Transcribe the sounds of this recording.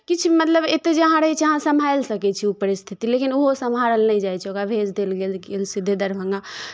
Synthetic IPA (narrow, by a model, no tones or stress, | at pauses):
kit͡ʃʰmət̪ləbet̪ed͡ʒeɦãɾeit͡ʃʰɛɦãsəmʱajlsəkɛt͡ʃʰiupəɾist̪ʰit̪ilekinuɦosəmʱaɾəlnəjd͡ʒajt͡ʃʰɛokabʱed͡ʒd̪elɡelɡelsid̪ʱːed̪əɾbʱə̃ŋɡa